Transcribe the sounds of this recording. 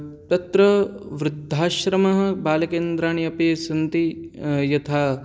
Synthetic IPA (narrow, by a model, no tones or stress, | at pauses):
t̪ɐt̪ɾɐʋɾɪd̪ʱːaːʃɾɐmɐɦɐ̆baːlɐkeːnd̪ɾaːɳijɐpeːsɐnt̪ijɐt̪ʰaː